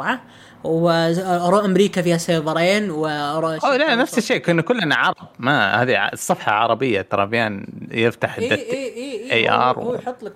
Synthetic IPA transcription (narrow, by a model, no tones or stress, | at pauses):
ʕa | wɪʔɑɾˤuːʔamɾiːkafiːhaseːðˤɑɾˤeːnwɪʔɑɾˤuːʔolanafsɪʃːeːkɪnːkʊlːanaʕɑɾˤɑbmahaːðiʕsˤːɨfħɑʕɑ̰ɾˤɑbɪjːat̪ɑɾˤɑbjaːnjɪft̪aħd̪ːaʔajʔɑ̰ːɾˤwt̪ˤː